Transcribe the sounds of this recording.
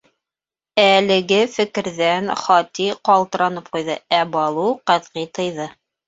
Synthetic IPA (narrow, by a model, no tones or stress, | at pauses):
ælɘ̆ɡɘfɘ̆kɘ̆ɾðænχɑt̪iqɑlˠt̪ɤ̆ɾɑnɤp̚qujðɤæbɑlˠuqæðʁit̪ɤ̆jðɤ